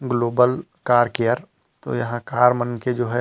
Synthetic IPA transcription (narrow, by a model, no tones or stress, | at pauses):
ɡloːbəl | kaːɾkejəɾ | t̪o̰jɐɦãkaːɾmənked͡ʒoːɦɛ